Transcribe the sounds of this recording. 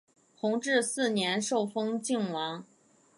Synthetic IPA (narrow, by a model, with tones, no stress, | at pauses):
t̪ʰʊ˧˥ŋʈ͡ʂɻ̩˥˧sɹ̩˥˩njɛ˧˥nʂo˥˩ʊfɤ˥ŋt͡ɕi˥˩ŋwɑ˧˥ŋ